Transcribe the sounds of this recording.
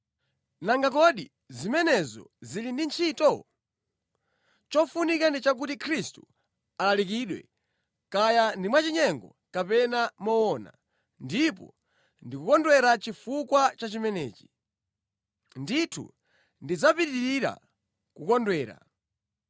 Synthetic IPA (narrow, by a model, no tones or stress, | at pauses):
naŋɡakɔɗi | zimɛnɛzɔ̰zilindint͡ʃʰitɔ | t͡ʃɔfunikandit͡ʃak̬utikʰɾistu̥̰ | alalik̬iɗwɛ̰ | kajandimwat͡ʃiɲɛŋɡɔ̰ | kapɛnamɔwɔna̰ | ndipɔ̰ | ndikukɔndwɛɾat͡ʃifukwat͡ʃat͡ʃimɛnɛːt͡ʃi̥ | nditʰṵ | ndid͡zapitiɾiɾa̰ | kukɔndwɛːɾa̰